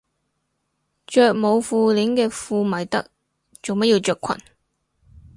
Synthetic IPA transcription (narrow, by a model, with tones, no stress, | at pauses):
t͡ʃœː˨˧k̚mo˨˧wfuː˧liː˨˥ŋkɛː˧fuː˧mɐ˨˩jt̪ɐ̰˥k̚ | t͡so˨wmɐ˥t̚jiː˧wt͡ʃœː˨kʷʰɐ̰˨˩n